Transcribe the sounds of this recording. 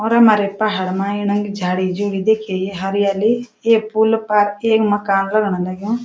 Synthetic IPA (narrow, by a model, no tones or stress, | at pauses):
ɔːɾɐmaːɾepaɦəɽmãɪnə̃ŋɡd͡ʒʱaːɽid͡ʒoːɽid̪eːkʰejeɦɐɾɪjaːli | eːpulpaɾeːkməkaːnlɐɡɳ̃ãlaɡjõ